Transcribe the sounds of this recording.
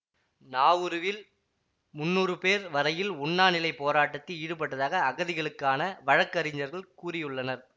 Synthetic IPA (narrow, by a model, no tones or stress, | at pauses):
naːʋɯɾɯʋɪl | mʊnːuːrɯpeːɾʋɐɾɐjɪlʊɳːaːnɪlɐɪpːoːɾaːʈːɐt̪ːiɪɽɯpɐʈːɐðaːɣɐːɣɐðɪɣɐɭɯkːaːnɐʋɐɻɐkːɐɾɪɲd͡ʒɐɾɣɐɭkuːrɪjɯɭːɐnɐɾ